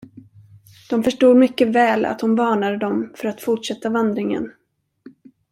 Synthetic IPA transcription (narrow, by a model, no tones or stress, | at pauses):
d̪̥ɔmfœʂʈuːd̪mʏkːəvɛːla̰t̪hʊnvɑːɳad̪əd̪ɔmfœɾat̪fʊʈʂɛt̪ːavand̪ɾɪŋə̰n